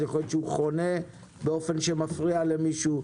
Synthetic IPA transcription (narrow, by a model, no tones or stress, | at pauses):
jaχojot̪ʃeuχo̞ne̞ | beo̞fe̞nʃemafʁiale̞miʃu